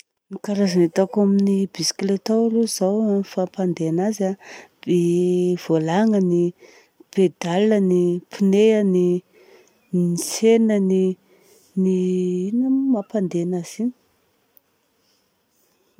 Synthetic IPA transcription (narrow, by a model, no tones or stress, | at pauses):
nikaɾazanet̪akaminibisi̥klet̪awluzawnfapand̪eanazab̥ev̥olaŋəni | b̥ed̪alənipʰineani | isenəni | niinəmapand̪enaz̥ini̥